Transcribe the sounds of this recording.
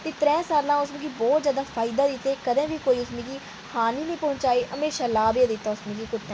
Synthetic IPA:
t̪eːt̪ɾɛ̃ːsaːlãːʊsmĩːɡiːbɔːt̪zaːd̪aːfʰaːɪd̪aːd̪ɪt̪ːeːkəd̪ẽːʋiːkoːiːʊsmĩːɡiː | haːnĩːnĩːpɔ̃ːʊ̃nt͡ʃaːiːʔəmeːʃãːlaːbeːd̪ɪt̪ːaːʊsmĩːɡiːkʊt̪ːɛ̃

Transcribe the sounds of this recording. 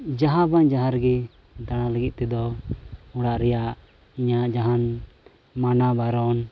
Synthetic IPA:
d͡ʒaɦãbaɲd͡ʒaɦaɾɡɛ | d̪aɽ̃ãləɡit̪̚ˀt̪ɛd̪ɔ | ɔɽaʔɾɛjaʔ | iɲaʔd͡ʒaɦan | manabaɾɔn

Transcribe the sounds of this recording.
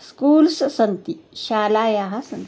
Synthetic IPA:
skuːlssənt̪iɕaːlaːjaɦasɐnt̪

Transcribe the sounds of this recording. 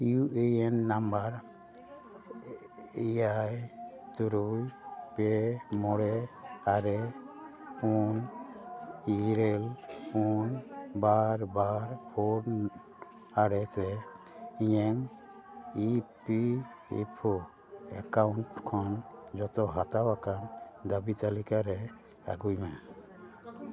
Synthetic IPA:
uʔejɛnːambaɾ | ijajt̪uɾujpɛmɔɾɛaɾɛ | pun | iɾelpunbaɾbaɾpʰoɖ | aɾɛsɛ | iɲɛŋ | ipi | ḭpʰɔ | ɛkaunʈkʰɔnd͡ʒɔt̪ɔɦat̪awakand̪abit͡ʃalikaɾɛ | a̰ɡujma

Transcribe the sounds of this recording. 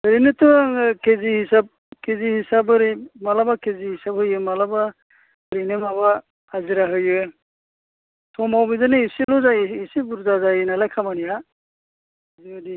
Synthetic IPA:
bɯɾinɯtɔkʰezihisab̚ | kʰezihisabɯɾimalabakʰezihisab̚hɯjɯmalaba | ɾinɯmaβaː | ziɾaɦɯjɯ | tʰɔmawbizɯnɯisilɔzajɯisibuɾzazajɯnalajkʰamanija | ziɯdi

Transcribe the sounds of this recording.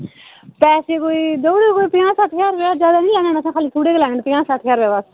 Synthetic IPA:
pɛːseːkoːiːd̪oːɽeːkoːiːpɪjãːsaʈʰjaːɾʋeaːd͡ʒjaːd̪aːnĩːlɛːnəːnəsãːkʰaːliːt̪ʰuːɽeːklɛ̃ːɳəɳpɪjãːsaʈʰjaːɾʋeːʋaːs

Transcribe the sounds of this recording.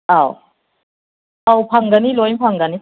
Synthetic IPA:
aw | awpʰaŋɡanilojmpʰaŋɡani

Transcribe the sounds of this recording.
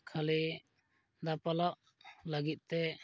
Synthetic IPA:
kʰali | d̪apalaʔ̚ | ləɡit̪̚t̪ɛ

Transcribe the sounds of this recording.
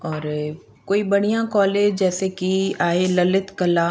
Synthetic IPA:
ɔːɾ | koːibɐɽ̤ijãkɔːleːd͡ʒd͡ʒɛːsekiaːɦelɐlɪt̪kɐla

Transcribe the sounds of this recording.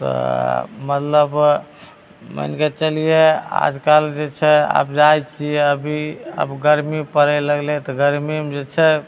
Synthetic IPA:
t̪ɔ̰mət̪ləb | mə̰nket͡ʃəlijea̰d͡ʒkald͡ʒet͡ʃʰɛa̰pd͡ʒajt͡ʃʰiəbʱiə̰bɡəɾmipəɾɛləɡlet̪ɔɡəɾmimd͡ʒet͡ʃʰɛ

